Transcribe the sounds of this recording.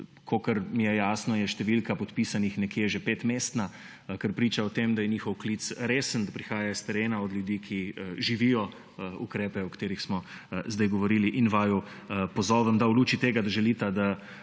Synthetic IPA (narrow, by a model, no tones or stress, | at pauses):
kʰokəɾmijɛjaːsnɔjɛʃt̪ɛʋilkapɔt̪pisanixnɛkjeʒepeːt̪meːst̪na | kəɾpɾiːt͡ʃaɔt̪eːmd̪ajɛnixɔwkliːt̪sɾeːsənd̪apɾixaːjast̪ɛɾeːnaɔd̪ljud̪iːkʰiʒiʋijɔ | ṵkɾɛːpɛɔkt̪eːɾixsmɔzd̪ajɡɔʋɔɾiliʔinʋajɔ | pɔzɔːʋəmd̪auluːt͡ʃit̪eːɡad̪aʒɛliːt̪ad̪a